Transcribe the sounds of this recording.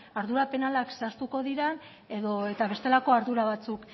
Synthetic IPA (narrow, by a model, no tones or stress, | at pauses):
aɾðuɾape̞nalaksast̪uko̞ðiɾen | e̞ðoe̞t̪aβe̞st̪e̞lako̞aɾðuɾaβ̞at͡suk